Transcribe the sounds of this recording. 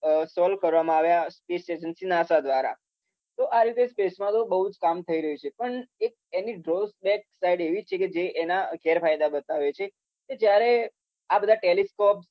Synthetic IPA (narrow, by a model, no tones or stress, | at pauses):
sɔlkəɾʋamãaʋjaspesʈeʃənsinasad̪ʋaɾa̰ | t̪oʔaɾit̪espesmãt̪obəɦud͡ʒkamt̪ʰəiɾəɦut͡ʃʰepəɳek̚eniɖɾosbɛk̚sajiɖeʋit͡ʃʰeked͡ʒeʔenakɛɾfajd̪abət̪aʋet͡ʃʰe | ked͡ʒjaɾe | abəd̪ʱaʈeleskɔps